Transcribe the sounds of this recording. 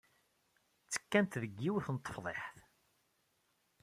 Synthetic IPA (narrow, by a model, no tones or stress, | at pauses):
t͡sːə̥kːænt̪ðəɡːiwθənt̪ˤːə̥fðˤḛħθ